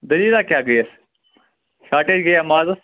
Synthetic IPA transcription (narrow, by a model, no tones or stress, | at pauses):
d̪ɐliːlaːkjaːɡɐiɐs | ʃaːʈeːd͡ʒɡɐjaːmaːzɐs